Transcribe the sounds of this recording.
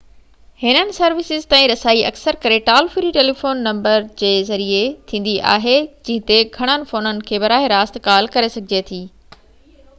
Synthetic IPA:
hɪnənɪ̆sɐɾʋɪsɪzt̪ãːĩɾɐsaːiʔɐ̰ksəɾkɐɾeʈaːlfɪɾiʈeːlifoːnːɐ̃mbəɾd͡ʑeːzɐɾiet̪ʰĩːn̆d̪iʔa̰ːɦed͡ʑɐ̃ɦɪ̃nt̪eɡʱɐɽ̃ənɪ̆foːnənɪ̆kʰeːbɐɾaːɦeɾaːst̪kaːlkɐɾesɐɡʱɪd͡ʑet̪ʰiː

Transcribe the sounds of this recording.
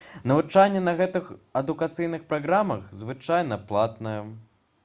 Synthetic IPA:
nɐvɨt͡ʂanʲːɛnɐɣɛt̪ɨxɐd̪ukat̪sɨjnɨxpɾaɣɾamɐxzvɨt͡ʂajn̪ɐplˠat̪nɐjɛ

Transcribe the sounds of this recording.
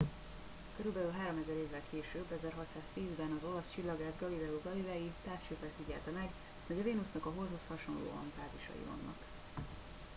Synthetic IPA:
køɾylbɛlylɦaːɾo̞mɛzɛɾeːvːɛlkʰeːʃøːbːɛzɛrɦɒt̪saːst̪iːzbɛnɒzo̞lɒst͡ʃilːɒɡaːzɡɒlilɛuɡɒlilɛjit̪aːft͡ʃøːpɛlfiɟɛ̰lt̪ɛmɛɡ | hoɟɒveːnusnɒkɒɦo̞lt̪ho̞shɒʃo̞nlo̰ːɒ̰mpaːt̪iʃɒ̰jḭvɒ̰nːɒ̰k

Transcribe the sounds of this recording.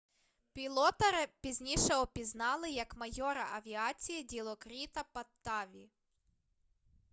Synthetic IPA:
pʲilˠɔt̪ɐɾɪpʲizʲnʲiʃɛɔpʲiznɑlˠɪjɐkmɐjɔɾɐʔɐʋʲiɑt͡sʲijidʲilˠɔkɾʲit̪ɐpɐt̪ːɑʋʲi

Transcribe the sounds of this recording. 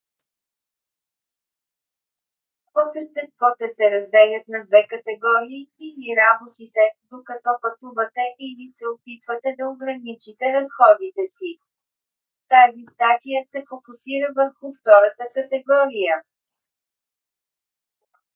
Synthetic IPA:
posɾɛt̪̚bɛst̪vɔt̪ɛsɛɾɐzd̪ɛlʲɐt̪nɐd̪vɛkɐt̪ɛɡɔɾiːiliɾabot̪it̪ɛd̪okɐt̪ɔpɐt̪uvət̪ɛʔilisɛopit̪vət̪ɛd̪ɐoɡɾɐnit͡ʃit̪ɛɾɐsxɔd̪it̪ɛsi | t̪azist̪at̪ijəsɛfokusiɾəvəɾxʊft̪ɔɾət̪əkɐt̪ɛɡɔɾijə

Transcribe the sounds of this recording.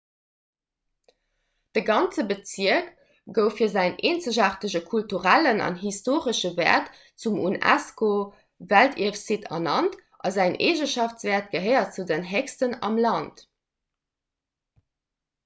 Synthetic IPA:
d̥əɡɑnt͡səbət͡siək | ɡ̥əʊfiːɐzæɪneːnt͡səʑɑχtəʑəkʰultuʁælənɑ̰nɦistoːʁəʃəvɛ̰ːɐt | t͡sumṵnæ̰sko | væltʰḭəfsitʰɑ̰nɑnt | ʔɑzæɪnʔḛːʑəʃɑft͡sv̥ɛːɐt̚ɡ̥əɦəɪɐt͡sudənɦɛkstənɑ̰mlɑnt

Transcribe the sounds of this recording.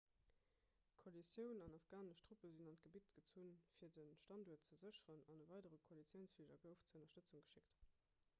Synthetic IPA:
kʰolisjəʊnɑnɑfɡ̥aːnəʃtʁupəzinɑnt̚ɡ̥əbitɡ̥ət͡suːnfiːɐdənʃtɑnduɐtt͡səzəɕəʁənɑnəvɑɪdəʁəkʰolit͡sjəʊnsfildɐɡəʊft͡səənɐʃtət͡suŋɡəʃikt

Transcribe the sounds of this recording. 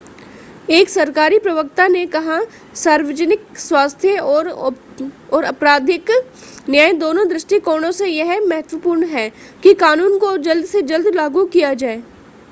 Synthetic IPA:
eːksɐɾkaːɾipɾɐʋək̚t̪anekɐɦã | saːɾʋəd͡ʒənɪkswaːst̪ʰjə | ɔːɾɐpɾaːd̪ʱɪk | njaːẽd̪oːnõd̪ɾɪʃʈikoːɽ̃õsejɐɦmɛɦət̪ʋəpuːɾɳɦɛː | kikaːnuːnkod͡ʒɐld̪ʱsed͡ʒɐld̪laːɡukijad͡ʒaːeː

